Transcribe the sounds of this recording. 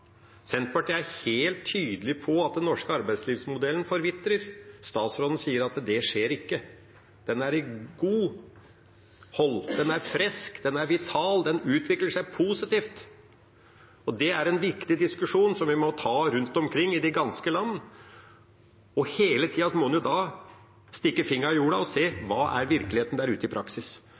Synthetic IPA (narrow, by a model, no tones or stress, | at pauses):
sɛnt̪̚pɑʈiːæɾheːlt̪ʰːyːd̪əlɪpʰɔɑt̪̚d̪ɛnːɔʂkəɑɾbæɪd̪sliːʋsmʊd̪ɛlənfɔɾʋɪt̪ɾəɾst̪ɑːt̪sɾɔd̪n̩siːəɾɑt̪d̪ɛʂeːɾɪkːə | d̪̥ɛnæɾɪɡuː | hɔld̪ɛnæɾfɾɛskd̪ɛnæɾʋɪt̪ʰɑːld̪ɛnʉːt̪ʰʋɪkləʂæɪpʰuːsɪt̪iːft̪ | ɔd̪ɛæɾɛnʋɪkt̪ɪd̪ɪskʉʂuːnsɔmʋɪmɔt̪ʰɑːɾʉnt̪ɔmkʰɾɪŋːɪd̪ɪɡɑnskəlɑnːə | ɔheːlət̪ʰiːɑsmɔnjʊd̪ɑ | st̪ɪkːəfɪŋːəɾɪjuːɽɑɔseːʋɑːʔæ̰ɾʋɪɾklɪheːt̪n̩d̪æːɾʉːt̪əɪpʰɾʔɑksɪs